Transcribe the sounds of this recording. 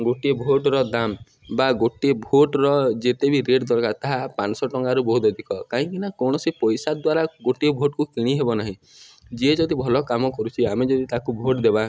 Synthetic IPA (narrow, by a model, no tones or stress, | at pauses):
ɡoʈiebʱoʈɾɔd̪am | baɡoʈiebʱoʈɾɔd͡ʒet̪ebʱiɾeɖd̪ɔɾkaɾt̪aɦapansɔʈɔŋɡaɾubɔɦut̪ɔd̪ʱikɔkaɦĩŋkinakɔɽ̃ɔsipɔjsad̪waɾaɡoʈiebʱoʈkukiɽ̃iɦebɔnaɦĩ | d͡ʒied͡ʒɔd̪ʱibʱɔlɔkamɔkɔɾut͡ʃʰiamed͡ʒɔd̪ʱit̪akubʱoʈd̪ebã